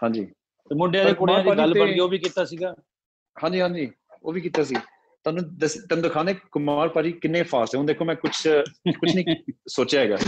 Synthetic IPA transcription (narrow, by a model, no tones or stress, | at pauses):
ɦhãːɲd͡ʒḭː | pːmʊɳɖejaːd̪ekʊaːɾaːɾɡiəlt̪əɽɡeːoːbiːkɪt̪aːsiːɡaː | hãːɲd͡ʒiːɦãːɲd͡ʒiː | o̰ːʋiːkiːt̪aːs̬iː | t̪ʊaːnũːd̪əst̪ɛnːd̪kʰaːneːkʊmaːɾpaːɾiːkɪnːẽːpʰaːɾst̪ɛɦõːd̪eːkʰoːmɛ̃ːkʊt͡ʃʰkʊt͡ʃnəĩːsoːt͡ʃjaːɦɛːɡa̰ː